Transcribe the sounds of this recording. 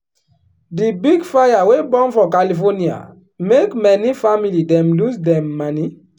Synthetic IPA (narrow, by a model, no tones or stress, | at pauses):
dibiɡfajawebɔ̃nfɔkalifɔnia̰ | mekmɛnifamilidɛ̃mlusdɛ̃mːani